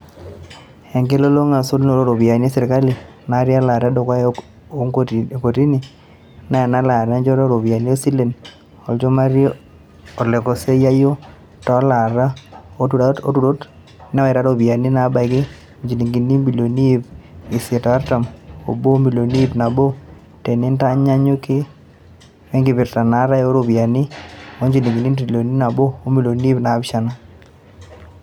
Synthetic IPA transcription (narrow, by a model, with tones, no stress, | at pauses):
ɛ˨ŋɡe˦lo˦lo˦ŋa˨so˦tno˨ɾo˦ɾo˨bi˨a˨ne˦sɛ˨ɾɪ˨ka˦li˨ | na˨˦ɾja˦la˨ɾa˦dɔ˨kwa˦ | o˦ŋko˨ti˦nɪ˨ | na˦ɛ˨na˦la˨ɾa˦nd͡ʒɔ˦ɾɔ˦ɾo˨bi˨a˨ni˦o˦si˦le˨n | o˨ld͡ʒɔ˦ma˦ɾ | o˨le˨ko˨se˦ja˦jo˦ | tɔ˨˦la˨ɾa˦ | o˦tu˨ɾo˦t | na˦ɛ˨ɾa˦ɾo˦˨bja˨nɪ˦na˨˦ba˨ɡɪ˦˨ | ɲd͡ʒi˨ni˨ŋɡi˨ni˦mbi˨lo˨ni˦bɪ˨sɛ˨ta˨a˦ɾta˨mo̰˨bo˦mi˨lo˨ni˦bna˨bo˦ | te˨nɪ˦nta˦ɲa˦ɲo˦kɪ˦ | mɛ˦ŋɡɪ˨bɪ˨ɾta˨na˨˦ɾa˦o˦ɾo˨bi˨a˨nɪ˦o˦ɲd͡ʒi˨ni˨ŋɡi˨ni˦nti˨lo˨ni˦na˨bɔː˦mi˨lo˨ni˦bna˨˦bʃa˦na˦